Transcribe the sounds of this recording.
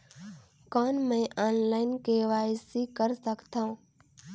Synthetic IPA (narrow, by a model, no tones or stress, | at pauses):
kaːnmẽʔaːnlaːɪnkeːʋaːsikəɾsəkt̪ã